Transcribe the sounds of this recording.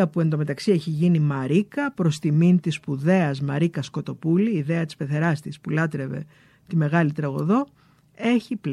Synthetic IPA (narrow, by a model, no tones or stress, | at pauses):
ɐpue̞nd̪o̞me̞t̪ɐksie̞çiʝinimɐɾikɐpɾo̞st̪imint̪ispuðe̞ɐzmɐɾikɐsko̞t̪o̞puliːðe̞ɐt̪ispe̞θe̞ɾɐst̪ispulɐt̪ɾe̞ve̞̰ | t̪ime̞ɣɐlit̪ɾɐɣo̞̰ðo̞ | e̞çipl